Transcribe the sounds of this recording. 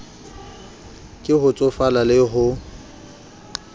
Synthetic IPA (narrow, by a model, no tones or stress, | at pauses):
kʼɪɦʊt͡sʼʊfalalɪɦʊ